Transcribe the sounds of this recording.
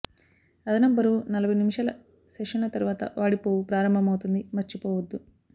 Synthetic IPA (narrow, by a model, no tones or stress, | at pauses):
ɐd̪ɐnɐmbɐɾunɐlɐbʱɐjnimiʂaːlɐ | sɛʂɐnlɐt̪ɐɾuʋaːt̪ɐ̰ʋaːɽipoːupɾaːɾɐmbʱɐmɐwt̪und̪imɐɾt͡ʃipɔːʋɐd̪ːu